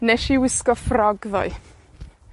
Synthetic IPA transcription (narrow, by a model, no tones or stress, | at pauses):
nɛʃiwɪskɔfrɔɡðɔ̰ɨ